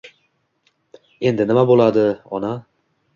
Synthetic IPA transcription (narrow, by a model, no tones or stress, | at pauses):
e̞nd̪ɪnɪmabolˠad̪ɪɒ̰na